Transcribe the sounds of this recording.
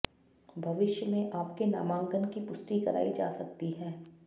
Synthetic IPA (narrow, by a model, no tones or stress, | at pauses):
bʱɐʋɪʃjəmẽʔaːpkena̰ːmãːŋɡənkipʊst̪ikɐɾa̰ːid͡ʒa̰ːsɐk̚t̪iɦɛː